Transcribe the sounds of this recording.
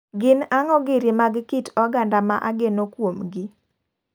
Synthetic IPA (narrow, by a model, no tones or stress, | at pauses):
ɡɪnaŋɔɡɪɾimaɡkitɔɡandama̰ʔaɡenokwomɡɪ